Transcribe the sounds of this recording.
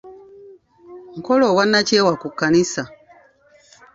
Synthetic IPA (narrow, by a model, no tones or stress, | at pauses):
ŋ̩ko̞lowanːaceːwakukːanisa